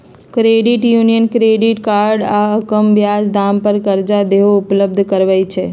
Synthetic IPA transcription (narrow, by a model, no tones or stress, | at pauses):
kɾeɖiʈjunijənkɾeɖɪʈkaːɾɖaəkəmʋjad͡ʒd̪ampəɾkəɾd͡ʒad̪eɦoʊpləb̚d̪ʱkəɾʋəjt͡ʃʰe